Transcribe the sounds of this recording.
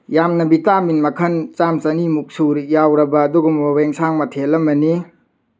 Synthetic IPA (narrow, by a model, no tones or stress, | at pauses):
jamnɐbitaminmɐkʰɐnt͡ʃamt͡ʃɐnimuk̚suɾijawɾɐbɐːduɡumoweŋsaŋmɐtʰelɐmɐni